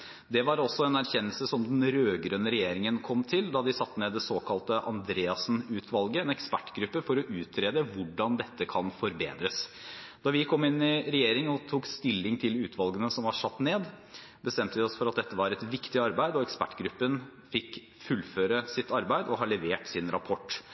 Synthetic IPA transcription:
d̪ɛʋɑɾɔsːɔɛnæɾçɛnːəlsəsɔmd̪ɛnɾøːɡɾœnəɾɛjeːɾɪŋənkʰɔmt̪ʰɪld̪ɑd̪ɪsɑt̪ːneːd̪ːɛsoːkʰɑlt̪əʔɑ̰nd̪ɾeːɑsn̩ʉːt̪ʰʋɑlɡəɛnɛkspæʈːɡɾʉpːəfɔɾɔʔʉːt̪ʰɾeːd̪əʋʊɖɑnd̪ɛt̪ːəkʰɑnfɔɾbḛːd̪ɾəsd̪̥ɑʋɪkʰɔmːɪnɪɾɛjeːɾɪŋənɔt̪ʰuːkst̪ɪlːɪŋt̪ʰɪlʉːt̪ʰʋɑlɡənəsɔmʋɑʂɑt̪ːneːd̪ | bəst̪ɛmt̪əʋɪɔsfɔɾɑt̪̚d̪ɛt̪ːəʋɑɾɛt̪ʋɪkt̪ɪɑɾbæɪd̪ɔɛkspæ̰ʈːɡɾʉpːən | fɪk | fʉlføːɾəsɪt̪ːɑɾbæɪd̪ɔɦɑɭɛʋeːʈsɪnɾɑpʰɔʈː

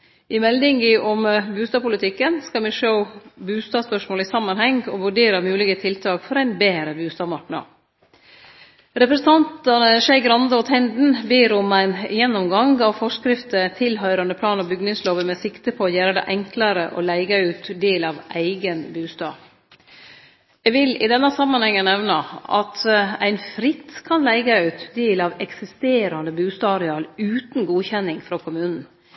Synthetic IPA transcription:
ɪmɛld̪ɪŋɪʔɔmbʉːst̪ɑːpʰʊlət̪ʰɪkːənskɑmɪʂəʊbʉːst̪ɑːspœʂmoːləɪsɑmːɑnhɛŋɡɔːʋʉɖeːɾɑmʉːlɪɡət̪ʰɪlt̪ʰɑːkfɔɾæɪnbeːɾəbʉːst̪ɑːmɑʈɳɑ̰ | ɾɛpɾɛsənt̪ʰɑnt̪ɑnəʃæɪɡɾɑnd̪əɔt̪ʰɛnd̪n̩beːɾɔmæɪnjɛnːɔmɡɑŋɡɑʋfɔʂkɾɪft̪ət̪ʰɪlɦœʏɾɑnd̪əpʰlɑːnɔbʏɡnɪŋsloːʋəmɛsɪkt̪əpʰɔːjæːɾəd̪ɛ̰ʔɛŋklɑɾəʔɔ̰læɪɡɑʉːt̪d̪eːlɑʋæɪɡənbʉːst̪ɑ̰ː | jɛʋɪlɪ̰d̪ɛnːəsɑmːɑnhɛŋːənɛʋnɑɑ̰t̪æɪnfɾɪt̪kʰɑnlæɪɡɑʉːt̪d̪eːlɑːʋɛksɪst̪eːɾɑnd̪əbʉːst̪ɑːɾɛɑːlʉːt̪nɡuːçɛnːɪŋfɾokʰʊmʉːnn̩

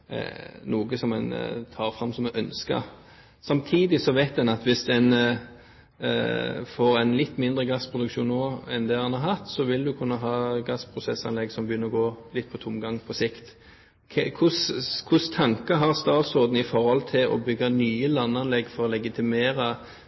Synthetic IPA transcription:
nuːɡəsɔmɛnt̪ʰɑːʁfɾɑmsɔmɛʔœnskə̰ | sɑmt̪ʰiːd̪ɪsɔʋæɪt̪d̪ɛnɑt̪ʋɪsd̪ɛn | foːɾɛɪnlɪt̪ːmɪnd̪ɾəɡɑspʰɾʁʊd̪ʉkʃuːnːoːɛnd̪ɛɑnhɑʁɦɑt̪ːsɔʋɪld̪ʉkʰʉnːɑɦɑːɡɑspʰɾʊsɛsɑ̰nlɛɡsɔmbəjʏnːəɾɔɡoːlɪt̪̚ːpʰɔt̪ʰʊmɡɑŋpʰɔsɪkt̪ | kʰɛkʰʊskʰʊst̪ʰɑŋkəɦɑʁst̪ɑːt̪sɔd̪n̩ɪfɔɾhɔlt̪ʰɪlɔ̰bʏɡːɑnyːəlɑnːɑnlɛɡfɔɾɔlɛɡɪt̪ʰɪmeːɾɑ

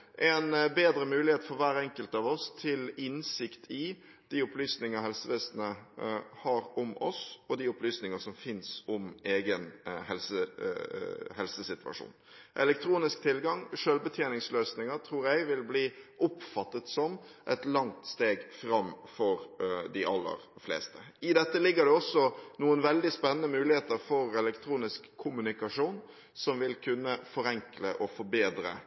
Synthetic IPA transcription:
ʔɛnbeːd̪ɾəmʉːlɪheːt̪fɔɾʋæːɾɛŋkəlt̪ɑʋɔst̪ʰɪlɪnsɪkt̪ʰɪ | d̪̥iːʊplyːsnɪŋəɦɛlsəʋɛːsnəhɑɾʊmɔsɔd̪iʊplyːsnɪŋəsɔmfɪnsʊmeːɡənhɛlsə | hɛlsəsɪt̪ʉʋɑ̰ʂṵːnʔɛ̰lɛk̚t̪ʰɾuːnɪskt̪ʰɪlɡɑŋʂøːlbət̪ʰjeːnɪŋsløːsnɪŋət̪ʰɾuːɾjæɪʋɪlbliːʔʊpfɑt̪ːət̪sɔmʔɛt̪lɑŋt̪st̪eːɡfɾɑmfɔɾd̪ɪʔɑlːə̰ɾflḛːst̪əɪd̪ɛt̪ːəlɪɡːəɖ̪ɛɔsɔnuːənʋɛld̪ɪspɛnːənəmʉːlɪheːt̪əɾfɔɾɛlɛkt̪ʰɾuːnɪskʰːʊmʉnɪkɑʂuːn | sɔmʋɪlkʰʉnːəfɔɾɛŋkləʔɔfɔɾbeːd̪ɾə̰

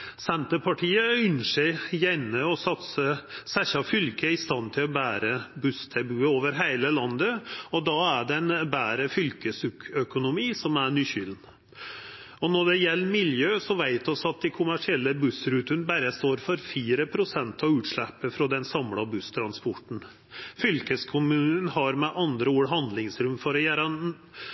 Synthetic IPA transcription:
sɛnt̪əɾpʰɑʈʰiːəʏnʂəjɛnːəɔsɑt̪səsæçɑfʏlkəɪst̪ɑnːt̪ʰɪlɔbæːɾəbʉst̪ʰɛbʉːəoːʋəɾɦæɪləlɑnd̪əɔd̪ɑæɖɛnbæːɾəfʏlkəsʉkʰœkʊnʊmiːsɔmæɾɳyːçʏln | ɔnɔɖɛjɛlːəmɪljøːsɔʋæɪt̪ɔsɑt̪̚d̪ɪkʰʊmæʂɪɛlːəbʉsɾʉːt̪ʉnbæɾəst̪oːɾfɔɾfiːɾəpʰɾʊsɛnt̪ʰɑʋʉːt̪ʂɭæpːəfɾɔd̪ɛnsɑmɽɑbʉst̪ʰɾɑnspɔʈn̩ | fʏlkəskʰʊmʉːnənɦɑɾmɛʔɑnd̪ɾəuːɽɦɑnd̪lɪŋsɾʉmfɔɾɔjæːɾɑ

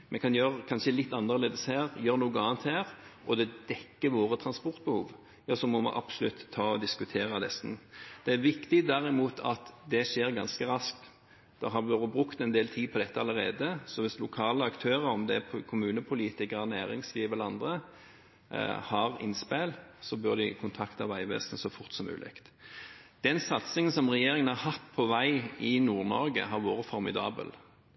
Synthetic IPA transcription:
mɛkʰɑnjøɾkʰɑnʃəlɪt̪ːɑnːəʁleːd̪əshæːʁjøːɾənuːɡəɑːnt̪hæːɾʔɔd̪ɛd̪ɛkːəʋoːʁət̪ʰɾɑnspɔɾt̪̚bəhṵːʋ | jɑːsɔmɔmɑ̰ʔɑ̰bsʊlʉt̪ʰːɑːɔd̪ɪskʉt̪ʰeːʁɑd̪ɛsnd̪̥ɛæɾʋɪkt̪ɪd̪æʁɪmuːt̪ʰɑ̰t̪d̪ɛʃeːɾɡɑnskəɾɑskt̪ | d̪̥ɛɦɑʋobʁʉkt̪ɛnd̪eːlt̪ʰiːpʰɔd̪ɛt̪ːəɑləɾeːd̪əsɔʋɪslʊkʰɑːləɑkt̪ʰøːʁəɾɔmd̪ɛkʰʊmʉːnəpʰʊliːt̪ɪkəɾənæːɾɪŋsliːʋəlɑnd̪ʁə | hɑʁɪ̰nspeːlsɔbœʁd̪ɪkʰʊnt̪ʰɑkt̪ɑʋæɪʋḛːsnəsɔfʊʁt̪sɔmʉ̰ːlʔɪ̰kt̪ | d̪̥ɛnsɑt̪sɪŋənsɔmʁɛjeːɾɪŋənhɑhɑt̪ːpʰɔʋæɪɪnuːʁnɔʁɡə̰ɦɑʁʋoːʁəfɔɾmɪd̪ɑ̰ːbə̰l

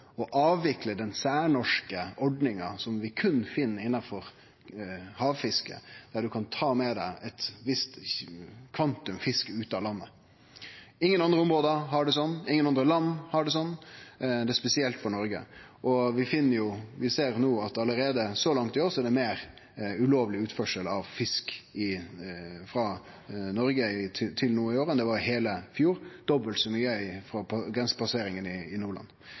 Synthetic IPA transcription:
ɔʔɑːʋːɪkləd̪ɛnsæːɾɳɔʂkəɔɖnɪŋɑ̰sɔmʋɪkʰʉnːfɪnːɾɪnːɑfɔɾ | hɑːʋfɪskə̰d̪̥æɖʉkʰɑnt̪ʰɑːmɛd̪æɪʔɛt̪ʋɪst̪ | kʰʋɑnt̪ʉmfɪskəʉːt̪ɑːlɑnːə | ɪŋːənɑnd̪ɾəʊmɾoːd̪əɦɑɖɛsɔnːɪŋːənɑnd̪ɾəlɑnːhɑɖɛs̬ɔnːd̪ɛspɛsɪɛlt̪fɔɾɳɔɾɡə̰ | ʔɔʋɪfɪnːəɾjʊʋɪseːɾnuːɑt̪ɑləɾeːd̪əsɔlɑŋt̪ɪoːɾsɔɛɖɛmeːɾ | ʉloːʋlɪʉːt̪fɔʂəlɑʋfɪskɪ | fɾɑ | nɔɾɡəɪt̪ʰɪt̪ʰɪlnuːɪoːɾənd̪ɛʋɑɾjʊɦeːləfjuːɾd̪̥ɔbəlt̪sɔmyːəɪfɾɔpʰɑɡɾɛnsə̥pɑseːɾɪŋənɪɪnuːɭɑ̰nː

